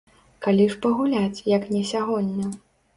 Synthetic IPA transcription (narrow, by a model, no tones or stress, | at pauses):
kalʲiʂpɐɣulʲat͡sʲjɐknʲɛsʲaɣɔnʲːɐ